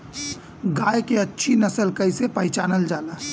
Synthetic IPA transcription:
ɡajkeətːʃʰinəsəlkəɪsepəɦɪt͡ʃaːnəld͡ʒaːla

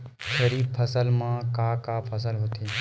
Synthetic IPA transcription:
ʃəɾiːbpʰəsəlmãːkaːkaːpʰəs̬əlɦoːt̪ʰiː

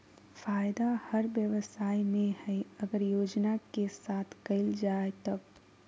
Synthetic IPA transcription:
faːjd̪ahɐɾʋjəʋsaːimẽhɛɐɡəɾjoːd͡ʒnakesaːt̪ʰkɐɪld͡ʒaːet̪ɐb

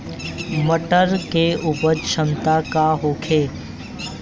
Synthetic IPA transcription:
məʈəɾkeupəɾʃəmt̪akaɦoːkʰeː

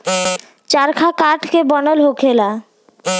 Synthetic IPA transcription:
t͡ɕaɾkʰakaʈkebɔnolɦokʰela

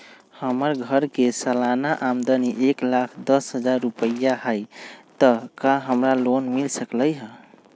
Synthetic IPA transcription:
həməɾɡʱəɾkesalanaʔamd̪əniʔeklakʰd̪ʌsɦəd͡ʒaɾːupəjaɦajt̪əkaɦəmɾalonmilsəkləjɦə

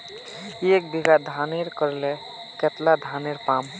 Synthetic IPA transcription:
iek̚b̪ʱiɡad̪ʱaneɾkəɾle | ket̪lad̪ʱaneɾpam

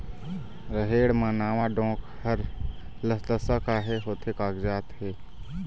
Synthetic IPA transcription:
ɾəɦeːɽmənaːʋaɖõːk | həɾ | ləsləsəkaːɦeɦoːt̪ʰekaːɡd͡ʒaːt̪ɦeː

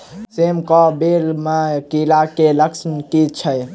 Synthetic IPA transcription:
semkɔbelmakilakeləksmkit͡ʃʰəj

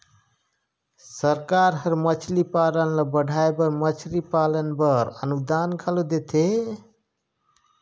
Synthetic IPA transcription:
səɾkaɾɦəɾmət͡ʃʰlipalənləbəɽʱaebəɾmət͡ʃʰlipalənbəɾə̰nud̪ankʰəlod̪et̪ʰe

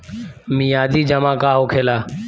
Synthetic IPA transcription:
mĩːjaːd̪iːd͡ʒəmãːkaːɦoːkʰeːlaː

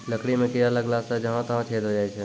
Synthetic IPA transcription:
ləkɽimẽkijələɡlaːsad͡ʒɐɦãt̪ɐɦãt͡ʃʰeːd̪ʱɦod͡ʒaːisʰɛː

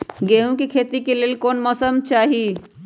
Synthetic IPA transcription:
ɡeɦũkekʰet̪ikelelkonməsəmt͡ʃaɦi

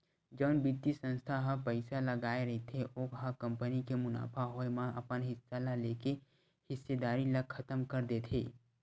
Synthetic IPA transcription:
d͡ʒɐʊnbit̪isə̃nst̪ʰaɦapɛɪsalɐɡaːeɾɐɦet̪ʰeʔoːkɦakɐ̃mpənikemʊna̰ːpʰaɦoːemãʔɐpənɦɪsːalaleːke | hɪsːed̪aːɾilɐkʰɐt̪əmkɐɾd̪et̪ʰḛː

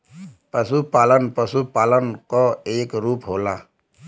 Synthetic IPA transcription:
pəsupaːlənpəsupaːlənkoeːkɾuːpɦoːlaː

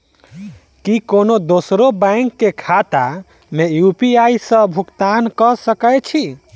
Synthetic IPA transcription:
kikonod̪osɾobãŋkːekʰat̪a̰ | mejupiaisə̃bʱukt̪ankəsəkəjt͡ʃʰi

